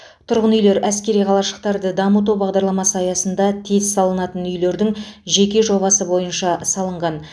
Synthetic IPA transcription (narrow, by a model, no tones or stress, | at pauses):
t̪ʰʊɾʁənʏjle̞ɾæskʲe̞ɾijqʰɑlˠɑʃə̥q̚t̪ɑɾd̪əd̪ɑmət̪̬uwbɑʁd̪ɑɾlˠɑmɑsɑjɑsənd̪ɑt̪ʰe̞zsɑlˠənɑt̪ənʏjle̞ɾd̪ɪŋʒe̞kʲe̞ʒo̞βɑsəbo̞jənʃɑsɑlˠəɴʁɑn